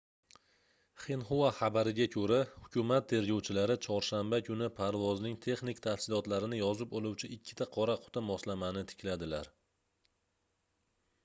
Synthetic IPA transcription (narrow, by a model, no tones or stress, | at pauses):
χenχovaχabaɾɪɡʲakʰɵɾahʊkʲʰʊmat̪ʰːe̞ɾɡʲɒwt͡ʃʰɪlaɾɪt͡ʃʰɒɾʃambakʲʰʊnɪpʰaɾvɒznɪŋt̪ʰe̞χnɪk̚ʲt̪ʰafsɪlɒt̪laɾɪnɪjɒzɪpolˠuwt͡ʃʰɪʔɪkʲʰːɪ̥t̪ʰaqʰɒɾaqʰʊ̥t̪ʰamɒslamanɪt̪ʰɪ̥kʲʰlad̪ɪlaɾ